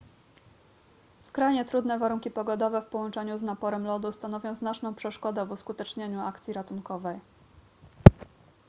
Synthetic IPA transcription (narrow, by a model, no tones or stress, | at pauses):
skɾajɲɛt̪ɾud̪nɛvaɾuŋkʲipɔɡɔd̪ɔvɛfpɔwɔnt͡ʂɛɲuznapɔɾɛmlɔd̪ust̪anɔvʲjɔ̃w̃znat͡ʂnɔ̃w̃pʂɛʂkɔd̪ɛvuskut̪ɛt͡ʂɲeɲuakt̪sʲiɾat̪unkɔvɛj